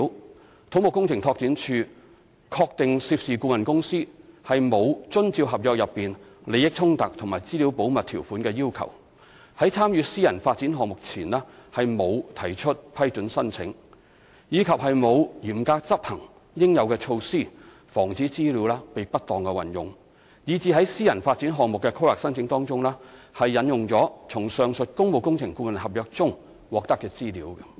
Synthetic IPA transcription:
w | t̪ʰo˨˥mʊ˨˩kːʊ˥ŋt͡sʰɪ˨˩ŋt̪ʰɔː˧k̚t͡si˨˥nt͡ʃʰyː˧ | kʰɔː˧k̚t̪ɪ˨ŋsiː˧p̚siː˨kuː˧mɐ˨nkʊ˥ŋsiː˥hɐ˨jmo˨˧wt͡sɵ˥nt͡siː˧wɦɐ˨p̚jɔː˧k̚jɐ˨pːiː˨nle˨˧jɪ˥k̚t͡sʰʊ˥ŋt̪ɐ˨k̚t̪ʰŋmaː˨˩jt͡siː˥li˨˥wpo˨˥wmɐ˨t̪̚ʰiː˨˩wfuː˨˥nkɛː˧jiː˥wkʰɐ̰˨˩w | hɐ˨˥jt͡sʰaː˥mjyː˨˧siː˥jɐ˨˩nfaː˧t̚t͡siː˨˥nɦɔː˨ŋmʊ˨k̚t͡sʰiː˨˩nlɛː˥hɐ˨jmo˨˧wt̪ʰɐ˨˩jt͡ʃʰɵ˥t̚pʰɐ˥jt͡ʃɵ˨˥nsɐ˥nt͡sʰɪ̰˨˥ŋ | jiː˨˧kʰɐ˨p̚hɐ˨jmo˨˧wjiː˨˩mkaː˧k̚t͡sɐ˥p̚hɐ˨˩ŋ | jɪ˥ŋjɐ˨˧wkɛː˧t͡ʃʰo˧wsiː˥˩ | fɔː˨˩ŋt͡siː˨˥t͡siː˥liː˨˥wlɛː˥pe˨jpɐ˥t̚t̪ɔː˨ŋkɛ˧wɐ̰˨njʊ̰˨˩ŋ | jiː˨˧t͡siː˧ɦɐ˨˥jsiː˥jɐ˨˩nfaː˧t̚t͡siː˨˥nɦɔː˨ŋ̚mʊ˨kːɛ˧kʰo˥wlaː˨k̚sɐ˥nt͡sʰɪ˨˥ŋt̪ɔː˥ŋt͡sʊ˥ŋlɛː˥hɐ˨jːɐ˨˥njʊ˨ŋt͡sɔː˨˥t͡sʰʊ˨˩ŋsœː˨ŋsɵ˨t̚kʊ˥ŋmo˨˧wkʊ˥ŋt͡sʰɪ˨˩ŋkuː˧mɐ˨nhɐ˨p̚jœː˨˧k̚t͡sʊ˥ŋ | wɔː˨k̚t̪ɐ˥kːɛː˧t͡siː˥liː˨˥wkɐ˧

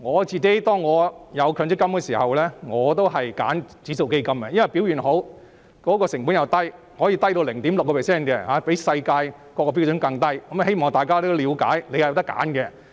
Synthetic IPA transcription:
ŋɔː˨˧t͡siː˨ke˨˥jt̪ɔː˥ŋːɔː˨˧jɐ˨˧wkʰœː˨˧ŋt͡sɪ˥kːɐ˥mkɛ˧siː˨˩hɐ˨wlɛː˥ŋɔː˨˧t̪o˥wɦɐ˨jka̰ː˨˥nt͡siː˨˥so˨wke˥jkɐ˥mkɛ˧jɐ˥nwɐ˨˩jpi˨˥wjyː˨˩nɦo˨˥w | kɔː˨˥kɔː˧sɪ˨˩ŋfuː˨˥njɐ˨˧wt̪ɐ˥j | hɔː˨˥ji˧t̪ɐ˥jt̪o˧wlɪ˨˩ŋt̪i˨˥mlkːɔ˧pʰɛː˨˩sɛː˥˩nkɛ˧haː˨˧˥pe˨˥jsɐ˧jkaː˧j | kɔː˧kːɔː˧pi˧˥wt͡sɵ˨˥nkɐ˧ŋt̪ɐ˥jkɐ˨˥m˧he˥jmɔː˨˩ŋt̪aː˨jkaː˥t̪o˥wliː˨˧wka̰ː˨˥jle˨˧jhwt̪ɐ˥kːa̰ː˨˥nkɛ˧

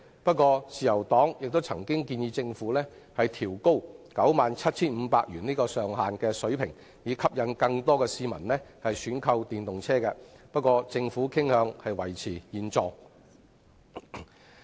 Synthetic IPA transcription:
pɐ˥t̚kʷɔː˧t͡siː˨jɐ˨˩wt̪ɔː˨˥ŋjɪ˨k̚t̪o˥wt͡sʰɐ˨˩ŋkɪ˥ŋkiː˧njiː˨˧t͡sɪ˧ŋfuː˨˥lɛː˥ | hɐ˨jt̪ʰiː˨˩wko˥wkɐ˨˥wmaː˨˩nt͡sʰɐ˥t̚t͡sʰiː˥nm̩ː˨˧paː˧k̚jyː˨˩nliː˥kɔː˧sœː˨ŋɦaː˨nkɛː˧sɵ˨˥ɥpʰɪ˨˩ŋ | jiː˨˧kʰɐ˥p̚jɐ˨˧nkɐ˧ŋt̪ɔː˥kɛː˧siː˧mɐ̰˨˩nlɛ˥hɐ˨jsyː˨˥nkʰɐ˧wt̪iː˨nt̪ʊ˨ŋt͡sʰɛː˥kɛ˧pɐ˥t̚kʷɔː˧t͡sɪ˧ŋfuː˨˥kʰɪ˥ŋhœː˨˧ŋhɐ˨jwɐ˨˩jt͡sʰiː˨˩jiː˨nt͡sɔː˧ŋ

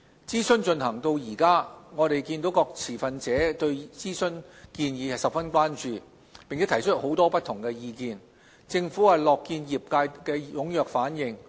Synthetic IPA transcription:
t͡siː˥sɵ˥nt͡ʃɵ˧nɦɐ˨˩ŋt̪o˧wjiː˨˩kaː˥ŋɔː˨˧ɾe˨jkiː˧nt̪o˨˥wkɔː˧k̚t͡sʰiː˨˩fɐ˨nt͡sɛː˨˥t̪ɵ˧ɥt͡siː˥sɵ˥nkiː˧njiː˨˧hɐ˨jsɐ˨p̚fɐ˥nkʷaː˥nt͡ʃyː˨˧ | pɪ˨ŋt͡sʰɛː˨˥t̪ʰɐ˨˩jt͡ʃʰɵ˥ho˨˥wt̪ɔː˥pɐ˥t̪ʰʊ˨˩ŋkɛː˧jiː˧kiː˨n | t͡sɪ˧ŋfuː˨˥hɐ˨jlɔː˨kːiː˧njiː˨p̚kaː˧jkɛː˧jʊ˨˥ŋjœː˨k̚faː˨˥njɪ˨ŋ

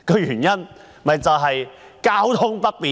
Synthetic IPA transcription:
kɔː˧jyː˨˩njɐ˥n | mɐ˨jt͡sɐ˨wɦɐ˨jkaː˥wt̪ʰʊ˥ŋpɐ˥t̚piː˨

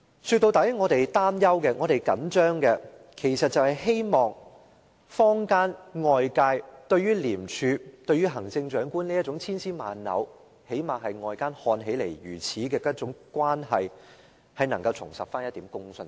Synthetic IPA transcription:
syː˧t̪̚o˧wt̪ɐ˨˥jŋɔː˨˧t̪e˨jt̪aː˥mjɐ˥wkɛː˧ŋɔː˨˧ɾe˨jkɐ̰˨˥nt͡ʃœː˥ŋkɛː˧ | kʰe˨˩jsɐ˨t̚t͡sɐ˨whɐ˨jɦe˥jmɔː˨˩ŋ | fɔː˥ŋkaː˥nŋɔː˨˧jkaː˧jt̪ɵ˧ɥyː˥liː˨˩mt͡ʃʰyː˨˧t̪ɵ˧ɥyː˥ɦɐ˨˩ŋt͡sɪ˧ŋt͡ʃœː˨˥ŋkuː˥nliː˥jɐ˥t̚t͡sʊ˨˧˥ŋt͡sʰiː˥nsiː˥ma̰ː˨nːɐ̰˨˥w | he˨˥jmaː˨ɦɐ˨jŋɔː˨jkaː˥nhɔː˧nɦe˨˥jlḛ˨˩jɥyː˨˩t͡sʰiː˨˥kɛː˧k̚ːt͡sʊ˨˥ŋkwaː˥nɦɐ̰˨j | hɐ˨jnɐ˨˩ŋkɐ˧wt͡sʰʊ˨˩ŋsɐ̰˨p̚faː˥njɐ˥t̪iː˨˥mkʊ˥ŋsɵ˧n

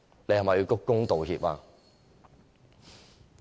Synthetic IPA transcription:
ne˧hɐ˨˩mɐ˨jːi˧wkʊ˥k̚kːʊ˥ŋt̪o˨wɦiː˧p̚aː˧

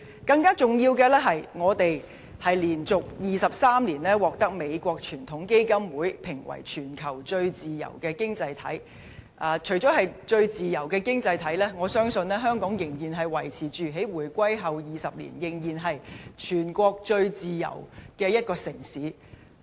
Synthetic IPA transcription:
kɐ˧ŋkaː˥t͡sʊ˨ŋjiː˧wkɛː˧lɛː˥ɦɐ˨jŋɔː˨˧t̪e˨j | hɐ˨jliː˨˩nt͡sʊ˨k̚jiː˨sɐ˨p̚saː˥mliː˨˩nlɛː˥wɔː˨k̚t̪ɐ˥k̚me˨˧jkʷɔː˧k̚t͡ʃʰyː˨˩nt̪ʰʊ˨˥ŋke˥jkɐ˥mwuː˨˥jpʰɪ˨˩ŋwɐ̰˨˩jt͡ʃʰyː˨˩nkʰɐ˨˩wt͡ʃɵ˧ɥt͡siː˨jɐ̰˨˩wkɛː˧kɪ˥ŋt͡sɐ˧jt̪ʰɐ̰˨˥j | ʔaː˨t͡ʃʰɵ˨˩ɥt͡sɔː˨˥hɐ˨jt͡ʃɵ˧ɥt͡siː˨jɐ˨˩wkɛː˧kɪ˥ŋt͡sɐ˧jt̪ʰɐ˨˥jlɛː˥ŋɔː˨˧sœː˥ŋsɵ˧nlɛː˥ɦœː˥ŋkɔː˨˥ŋjɪ˨˩ŋjiː˨˩nɦɐ˨˩jwɐ˨˩jt͡sʰiː˨˩t͡ʃyː˨˩ɦe˨˥jwuː˨˩jkʷɐ˥jɦɐ˨wjiː˨sɐ˨p̚lḭː˨˩njɪ˨˩ŋjiː˨˩nɦɐ˨jt͡ʃʰyː˨˩nkʷɔː˧k̚t͡ʃɵ˧ɥt͡siː˨jɐ̰˨˩wkɛː˧jɐ˥t̚kɔː˧sɪ˨˩ŋsiː˨˥

